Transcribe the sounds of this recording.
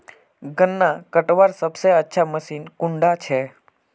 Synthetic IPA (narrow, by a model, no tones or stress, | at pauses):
ɡənːakəʈʋaɾsəbseətːʃʰaməʃinkuɳɖat͡ʃʰe